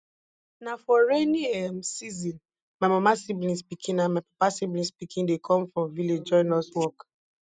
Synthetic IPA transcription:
nafɔɹeniɛmsizĩn | mamɔmasiblĩnspikʰĩnãnmaɪpḁpasiblĩnspikʰĩndekʰɔ̃mfɹɔ̃mviled͡ʒd͡ʒɔ̃ɪnɔswɔk

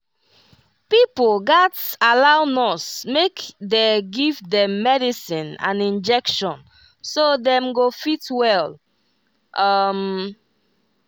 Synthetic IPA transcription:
pipolɡatalaʊnɔsmekdeɡivdɛ̃mːɛdisĩnã̰nĩnd͡ʒɛkʃɔ̃n | sodɛ̃mɡofitwɛl | ʔʌm

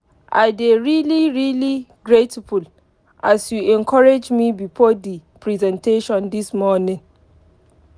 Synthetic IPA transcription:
ʔa̰deɹiliɹiliɡɹetiful | ʔasjuʔɛ̃nkʰɔɹed͡ʒmibifɔdipʰɹizɛ̃ntʰeʃɔ̃ndismɔnɪ̃ŋ

